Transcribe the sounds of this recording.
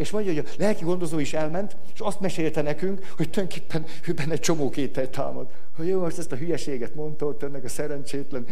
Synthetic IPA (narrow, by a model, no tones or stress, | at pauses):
eːʃmɒɲɒɦojɒlɛlkiɡo̞nd̪o̞zoːiʃɛlmɛnt̪ | eːʃɒst̪mɛʃeːlt̪ɛnɛkyŋkhoc̚t̪ojøŋke̥ːpːɛn | øːbɛnːɛc̚t͡ʃo̞moːkeːt̪ɛjt̪a̰ːmɒd̪ | hɒoːmo̞ʃt̪ɛst̪ɒɦyjɛʃeːɡɛt̪mo̞nt̪ot̪ːɛnːɛkɒsɛɾɛnt͡ʃeːt̪lɛn